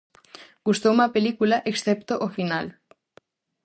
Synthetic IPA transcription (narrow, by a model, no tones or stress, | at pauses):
ɡust̪oumapelikulaʔeksθept̪oʔofinal